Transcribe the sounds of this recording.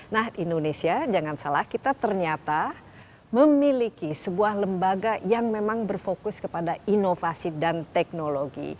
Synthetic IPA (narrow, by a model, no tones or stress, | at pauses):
nahindonesiad͡ʒaŋansalahkit̪at̪ərɲat̪a | məmilikisəbuahləmbaɡajaŋmemaŋbərfokʊskəpadainofasidant̪ɛk̚noloɡḭ